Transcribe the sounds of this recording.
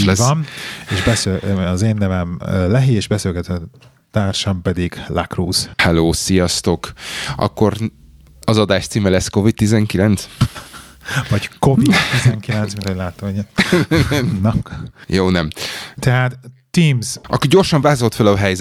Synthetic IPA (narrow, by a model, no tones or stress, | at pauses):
lɛsɒneʒbɛsezeːnːɛvɛmlɛɦiːeːʒbɛselɡɛt̪ɛ | t̪aːrʃɒmpɛd̪iɡlakruːz̥hɛloːsijɒst̪o̞kɒ̰kːo̞r | ɒzɒd̪aːʃt̪siːmɛlɛsko̞vit̪̚t̪izɛŋkilɛnt̪s | vɒɟkovit̪ːizɛŋkillɛnsminhoɟʲlaːt̪ːoɲɛɛmnɒkjoːnɛmt̪ɛɦaːt̪ː | iːmzʔɒ̰kːiɟo̞rʃɒɱvaːzo̞lt̪følɒɦɛjzɛ